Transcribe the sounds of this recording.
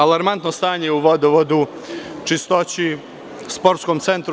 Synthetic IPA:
alaɾmant̪nost̪aːɲeuʋod̪oʋod̪u | t͡ʃist̪o̞t͡ɕi | spo̞ɾt̪skomt̪se̞nt̪ɾ

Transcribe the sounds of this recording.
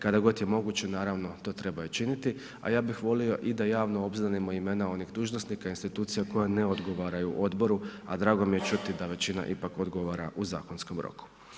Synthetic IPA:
kad̪aɡo̞t̪je̞mo̞ɡuːt͡ɕe̞naːɾaʋno̞t̪o̞ːt̪ɾe̞bajot͡ʃinit̪i | a̰jaːbixʋo̞lio̞ʔid̪ajaːʋno̞o̞bzanemo̞ime̞nao̞niɣd̪uːʒnosnikainst̪it̪uːt̪sijako̞jane̞o̞d̪ɡo̞ʋaːɾajuʔo̞d̪bo̞ɾua̰d̪ɾaːɡo̞mije̞t͡ʃut̪id̪aʋe̞t͡ɕina̰ʔipakod̪ɡo̞ʋaɾaʔuzaːko̞nsko̞mɾo̰ku̥

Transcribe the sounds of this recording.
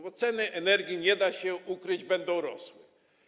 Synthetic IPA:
bɔt̪sɛnɘʔɛnɛɾɡʲjiɲɛd̪aɕɛukɾɘd͡ʑbɛnd̪ɔ̃w̃ɾɔswɛ

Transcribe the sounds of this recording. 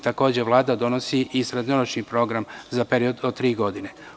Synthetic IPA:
t̪ako̞ːd͡ʑeʋlˠaːd̪ad̪o̞nosiʔisɾed̪noɾot͡ʃnipɾo̞ɡɾamzape̞ɾio̞d̪ot̪ːɾiːɡo̞d̪ine

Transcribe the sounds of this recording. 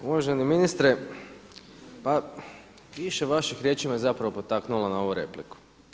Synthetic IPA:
uʋaʒeniminist̪ɾe | pa | ʋiʃe̞ʋaʃixɾje̞t͡ʃimajezapɾaʋopo̞t̪aknulanao̞ʋuɾe̞̰pliku̥

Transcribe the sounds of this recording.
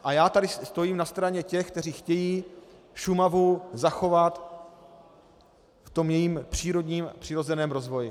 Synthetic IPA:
ʔajaːt̪adɪst̪o̞jiːmnast̪ɾaɲɛcɛxk̚t̪ɛr̝iːxcɛjiː | ʃumavuzaxo̞vat̪ | ft̪o̞mjɛjiːmpr̝̥iːɾo̞dɲiːmpr̝̥ɪɾo̞zɛnɛːmɾo̞zvo̞jɪ

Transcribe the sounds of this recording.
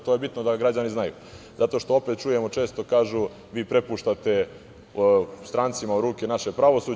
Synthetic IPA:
t̪o̞jebit̪nod̪aɡɾad͡ʑaniznajṵːzat̪o̞ʃt̪o̞o̞pet̪t͡ʃuje̞mo̞t͡ʃeːst̪okaːʒu | ʋiːpɾe̞puːʃt̪at̪e̞ | st̪ɾaːnt̪simaoɾuːkenaʃe̞pɾaʋo̞suː

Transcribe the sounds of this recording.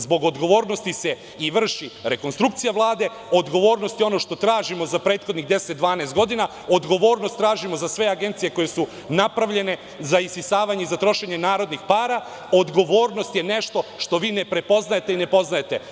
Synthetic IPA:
zbo̞ɡo̞d̪ɡo̞ʋo̞ːɾno̞st̪ise | iʋr̩ʃiɾe̞ko̞nst̪ɾuk̚t̪sijaʋlˠaːd̪e̞ | o̞d̪ɡo̞ʋo̞ːɾno̞st̪jo̞no̞ʃt̪o̞t̪ɾaːʒimo̞zapɾeːt̪xo̞d̪niɣd̪e̞set̪̚d̪ʋaːnest̪ɡo̞d̪ina | o̞d̪ɡo̞ʋo̞ːɾnost̪ːɾaːʒimo̞zasʋe̞aɡent̪sije̞ko̞je̞su | napɾaʋʎe̞ne̞ | zaisisaːʋaɲeizat̪ɾo̞ʃe̞ɲe̞naːɾo̞d̪nixpaːɾa | od̪ɡo̞ʋo̞ːɾno̞st̪jene̞ʃt̪o̞ʃt̪o̞ʋiːne̞pɾe̞po̞znajet̪e̞ine̞po̞znajet̪e̞

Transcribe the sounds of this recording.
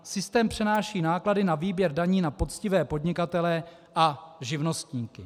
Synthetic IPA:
sɪst̪ɛːmpr̝̥ɛnaːʃiːnaːkladɪnaviːbjɛɾdaɲiːnapo̞t͡scɪvɛːpo̞dɲɪkat̪ɛlɛ | ʔaʒɪvno̞st̪ɲiːkɪ

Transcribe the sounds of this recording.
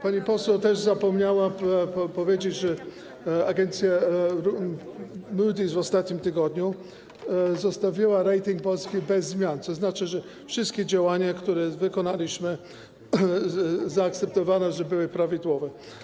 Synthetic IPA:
paɲipɔswɛwt̪ɛʐzapɔmɲawapɔvʲjed͡ʑet͡ɕʐɛ | aɡɛnt̪sʲjaɾu | mud̪ʲizvɔst̪at̪ɲimt̪ɘɡɔd̪ɲu | zɔst̪avʲiwaɾɛjt̪ʲiŋk̚pɔlskʲibɛzːmʲjant̪sɔznat͡ʂɘʐɛ | fʂɘst̪kʲed͡ʑawaɲakt̪uɾɛvɘkɔnalʲiɕmɘ | zaːk̚t̪sɛp̚t̪ɔvanɛʐɛbɘwɘpɾavʲid̪wɔvɛ

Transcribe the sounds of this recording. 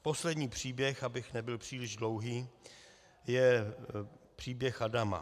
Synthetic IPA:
po̞slɛdɲiːpr̝̥iːbjɛxabɪxnɛbɪlpr̝̥iːlɪʒdlo̞wɦiː | jɛ | pr̝̥iːbjɛxadama̰

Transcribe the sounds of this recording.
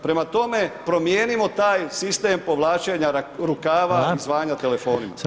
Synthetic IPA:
pɾe̞mat̪o̞me̞pɾo̞mjeːnimo̞t̪aːjsist̪eːmpo̞ʋlˠaːt͡ʃeɲaɾukaːʋaizʋaːɲat̪e̞le̞fo̞ːnima̰

